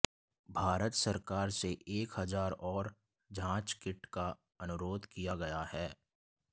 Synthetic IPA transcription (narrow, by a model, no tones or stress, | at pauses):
bʱaːɾət̪səɾkaːɾseʔeːkɦɐzaːɾɔːɾ | d͡ʒãːt͡ʃkɪʈka | ɐnʊɾoːd̪kijaɡɐjahɛː